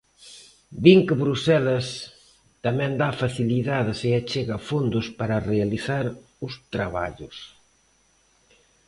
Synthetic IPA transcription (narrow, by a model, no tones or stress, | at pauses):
b̪iŋkɪβɾusɛlɐs | t̪amɛ̃nd̪afaθiliðaðɪseat͡ʃeɣafond̪ʊspaɾɐrealiθaɾ | ʊst̪ɾaβa̰ʎʊs